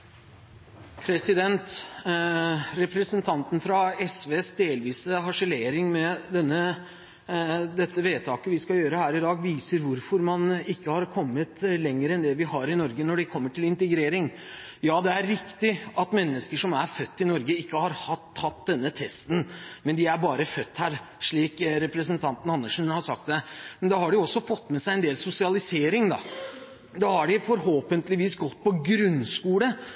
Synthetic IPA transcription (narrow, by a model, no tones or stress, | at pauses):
pʰɾɛsɪd̪ɛnt̪ | ɾɛpɾəsənt̪ʰɑnt̪n̩fɾɑɛsʋeːsd̪eːlʋiːsəɦɑʂəleːɾɪŋmɛd̪ɛnːə | d̪ɛt̪ːəʋeːt̪ʰɑːkəʋɪskɑjøːɾəhæːɾɪd̪ɑːɡʋiːsəɾʋʊɾfɔɾmɑnɪkːəhɑɾkʰɔmːət̪lɛŋːəɾɛnd̪ɛʋɪhɑɾɪnɔɾɡənɔɖɛkʰɔmːəʈʰɪlɪnt̪əɡɾeːɾɪŋ | jɑːd̪ɛæɾːɪkt̪ɪʔɑt̪mɛnːəskəʂɔmæɾfœt̪ːɪnɔɾɡəɪkːəhɑɾhɑt̪ʰːɑt̪ːd̪ɛnːət̪ʰɛst̪n̩mɛnd̪ɪæɾbɑːɾəfœt̪ːhæːɾ | ʂɭiːkɾɛpɾəsənt̪ʰɑnt̪n̩ɑnːəʂn̩hɑʂɑ̰k̚t̪̚d̪ɛmɛnd̪ɑhɑɖɪjʊɔsːɔfɔt̪ːmɛsæɪɛnd̪eːlsʊsɪɑlɪseːɾɪŋd̪ɑ̰ | d̪ɑːhɑɖɪfɔɾɦoːpənt̪lɪʋiːsɡɔt̪ːpʰɔɡɾʉnskuːlə